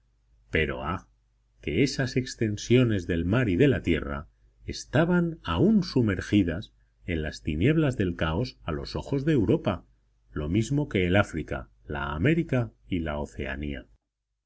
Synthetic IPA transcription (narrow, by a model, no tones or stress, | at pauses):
pe̞ɾo̞̰a | ke̞e̞sase̞kst̪e̞nsjo̞ne̞zðe̞lmaɾiðe̞lat̪je̞ra̰ | e̞st̪aβanaunsume̞ɾxiðas | e̞nlast̪inje̞β̞lazðe̞lkao̞salo̞̰so̞xo̞zðe̞ːwɾo̞pa | lo̞mizmo̞ke̞ːlafɾika̰ | la̰ːme̞ɾikaila̰o̞θe̞̰a̰nia̰